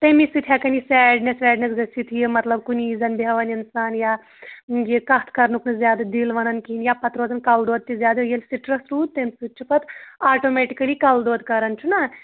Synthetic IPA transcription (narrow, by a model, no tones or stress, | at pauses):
t̪emisut̪ʰjaːkɐnisɛːɖnesʋɛːɖnesɡɐsit̪ʰjimɐt̪lɐb̚kuniːzɐnbʱjɐʋɐninsaːnjaː | jikɐt̪ʰkɐɾnuknɨzʲjaːd̪d̪ilʋɐnɐnkiinjaːpɐt̪ɾoːzɐnkɐld̪oːd̪̚t̪ːizʲjaːd̪ɐjelʲsiʈɾɐsɾuːd̪̚t̪emsut͡ʃʰipɐt̪aːʈoːmeːʈikɐlikɐld̪oːd̪kɐɾɐnt͡ʃʰunɐ